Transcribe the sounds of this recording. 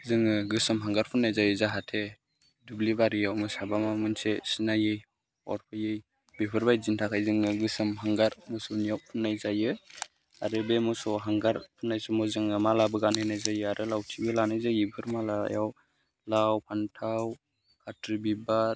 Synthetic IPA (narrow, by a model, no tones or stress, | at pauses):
zɯŋɯɡɯsɯmɦaŋɡaɾpʰɯnːajzajɯzaɦatʰe | dublibaɾijawmɯsabamamɯnsesinajɯj | ɔ̰ɾpʰajɯj | bipʰɯɾbajzintʰakʰajzɯŋɯɡɯsɯmɦaŋɡaɾmɔsɔwnijawpʰɯnːajzajɯ | aɾɯbemɔsɔwɦaŋɡaɾpʰɯnːajsɔmɔzɯŋɯmalabɯɡanajnajzajɯaɾɯlawtʰibelanajzajibʰɯɾmala̰jaw | lawpʰantʰaw | kʰatɾibibaɾ